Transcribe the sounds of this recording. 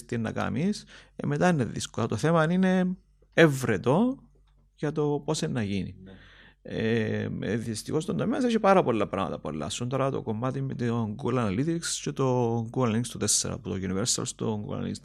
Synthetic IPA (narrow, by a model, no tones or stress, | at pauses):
t̪ienːɐ̰kɐ̰misḛmet̪ɐineðḭskolɐt̪oθemɐnine̞ | evɾet̪o̞ | ʝɐt̪o̞posenːɐʝinḭ | e | ðist̪ixost̪ond̪omeɐseçipɐɾɐpolːɐpɾɐmɐ̰t̪ɐpo̰lːɐ̰sont̪ɐɾɐt̪o̞̰ko̞mːɐt̪imet̪oŋɡulɐnɐlit̪ikscet̪oŋɡuɐliŋst̪ot̪e̞sːeɾɐ̰put̪oʝuniveɾsɐ̰lst̪oŋɡṵɐ̰ḭs